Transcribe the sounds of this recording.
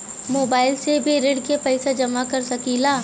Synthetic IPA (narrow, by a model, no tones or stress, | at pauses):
moːbaːɪlsebʱiɾeːɖkepɛɪsad͡ʒɐmakɐɾsɐkilaː